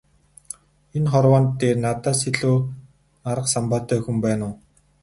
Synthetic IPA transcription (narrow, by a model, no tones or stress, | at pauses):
enχɔrwaːnt̪ːeːrnat̪aːsiɮoː | aɾə̆qsampaːt̪ʰœːxumpæːnʊː